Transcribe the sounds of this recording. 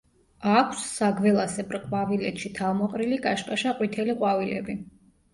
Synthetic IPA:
akʰsːaɡvɛlˠasɛbɾqʼwavilɛt̪ʃit̪ʰalmɔqʼɾiliɡaʃkʼaʃaqʼwit̪ʰɛliqʼwavilɛ̰bi

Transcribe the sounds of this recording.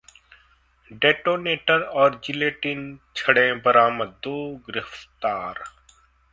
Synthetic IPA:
ɖeːʈoːneːʈəɾɔːɾd͡ʒɪleːʈint͡ʃʰəɽẽbəɾaːməd̪ːoːɡɪɾɪft̪aːɾ

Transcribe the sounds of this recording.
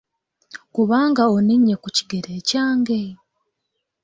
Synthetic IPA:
kuβaːŋɡaoniɲːe̞kuci̥ɡeɾe̞ːcaːŋɡe̞

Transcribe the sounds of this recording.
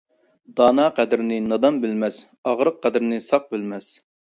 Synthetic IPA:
d̪ɑːnɑqʰæd̪ɪɾɪnɪnɑd̪ɑmbɪlmɛs | ɑʁɾəqʰːæd̪ɾɪnɪsɑq̚bɪlmɛs

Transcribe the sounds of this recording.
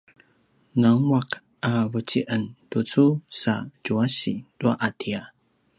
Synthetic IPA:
naŋuak | avət͡ɕiʔəntut͡susa̰d͡ʒuaɕidua̰ʔatʰia

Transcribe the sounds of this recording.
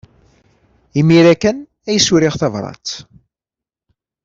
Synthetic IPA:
imiɾækæn | æjsuɾiʁθɑvɾˤɑ̰t͡s̪

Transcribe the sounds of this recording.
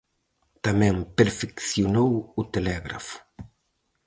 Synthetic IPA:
t̪amɛ̃ŋpeɾfekθjonowʊt̪elɛɣɾa̰fʊ̥

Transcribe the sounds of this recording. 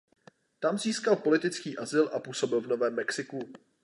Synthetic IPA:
t̪amziːskalpo̞lɪt̪ɪt͡skiːʔazɪlʔapuːso̞bɪlvno̞vɛːmːɛksɪku

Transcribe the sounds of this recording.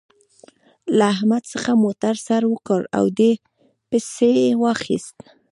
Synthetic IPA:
laːhmad̪səxamot̪aɾsaɾwəkəɾa̰wd̪e | pesewɑxḭst̪

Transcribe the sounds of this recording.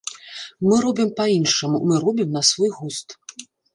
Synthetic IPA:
mɨɾɔbʲimpainʂɐmumɨɾɔbʲimnɐsvɔjɣust̪

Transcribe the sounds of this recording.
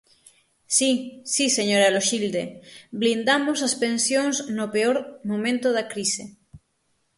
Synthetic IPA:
sisiseɲoɾaloʃild̪eblind̪amosaspẽnsjoŋznopeoɾmõmẽnt̪oðakɾise

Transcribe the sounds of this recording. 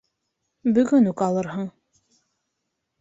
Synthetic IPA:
bɵ̆ɡɵnʉkɑlˠɤɾɦɤɴ

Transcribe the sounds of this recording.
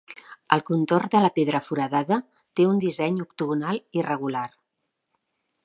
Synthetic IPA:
əlˠkunt̪ord̪ələpeðɾəfuɾəðaðə | t̪eund̪izɛɲukt̪uɣunalˠirəɣ̞ular

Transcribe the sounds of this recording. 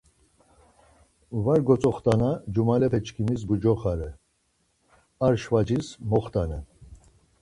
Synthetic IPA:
vaɾɡɔt͡sʼɔχt̪anad͡ʒumalɛpʰɛt͡ʃkʰimis̬bud͡ʒɔχaɾɛ | aɾʃvad͡ʒismɔχt̪ʼanɛ

